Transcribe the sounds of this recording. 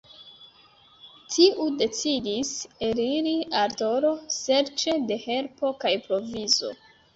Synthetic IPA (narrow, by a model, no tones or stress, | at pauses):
tʰiʔude̞t͡sidise̞ɾiɾiaɾto̞ɾo̞se̞ɾt͡ʃe̞de̞he̞ɾpo̞kajpɾo̞vizo̞̰